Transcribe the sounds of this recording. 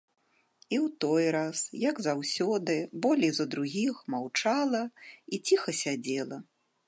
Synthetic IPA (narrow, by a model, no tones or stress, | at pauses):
iwt̪ɔjɾasjɐɡzawsʲɔd̪ɨbɔlʲijzɐd̪ɾuɣʲixmawt͡ʂalˠɐit͡sʲixɐsʲad͡zʲɛlˠɐ